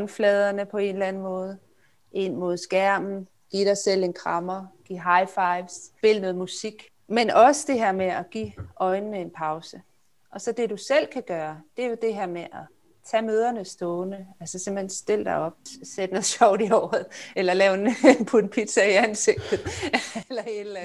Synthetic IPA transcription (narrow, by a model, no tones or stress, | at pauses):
nflɛːð̞ˠɐnəpʰɒ̽e̝ːnlænn̩mɔ̽ːð̞ˠ | ʔe̝n̰mo̝ð̞ˠsɡ̥æɐ̰mn̩ | ɡ̥iːɾ̥ɑ̈ɪsel̰e̝nkʰʁɑ̈mɐɡ̥iɦɑ̈ɪfɑ̈ɪʋsb̥e̝lənɔ̽ːð̩ˠmusiɡ̥ | menʔɒ̽səd̥e̝ɦeɐ̰meæɡ̥ḭːɒ̽ɪnəːəe̝npʰɑ̈ʊsə | ʔɒ̽sɒ̽d̥e̝dusel̰kʰæɡ̥ɶːɐd̥e̝ɐjo̝d̥e̝ɦeɐ̰meʔɒ | t͡sʰɛ̰ːmøːð̞ˠɐnəsd̥ɔːnəælsəsemb̥l̩hensd̥e̝l̰d̥ɑ̈ɪɒ̽b̥̚sed̥ənɔð̩ˠɕɒʊd̥iɒʊðˠelɐlɛːʊenenpʰunpʰid̥sæiænse̝ɡ̥̚d̥ð̩ˠlɐed̥læ